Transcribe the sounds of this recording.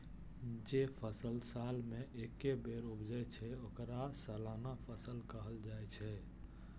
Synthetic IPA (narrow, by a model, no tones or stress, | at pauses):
d͡ʒepʰəsəlsalmẽʔekebeɾubd͡ʒəjt͡ʃʰɛokɾasəlanapʰəsəlkəɦəld͡ʒajt͡ʃʰɛ